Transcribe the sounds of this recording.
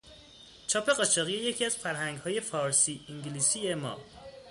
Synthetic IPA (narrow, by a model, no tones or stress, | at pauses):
t͡ʃʰɒːpʰe̞ɢɒːt͡ʃʰɒːɣijeje̞cʰiæz̥fæɾɦæŋɡhɒːje̞fɒːɾsiːʔiŋɟliːsiːjemɒ̰ː